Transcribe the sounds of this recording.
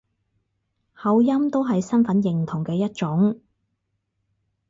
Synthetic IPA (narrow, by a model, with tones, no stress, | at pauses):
hɐ˨˧wjɐ˥mt̪o˥wɦɐ˨jsɐ˥nfɐ˨˥njɪ˨ŋt̪ʰʊ˨˩ŋkɛː˧jɐ˥t̚t͡ʃʊ˨˥ŋ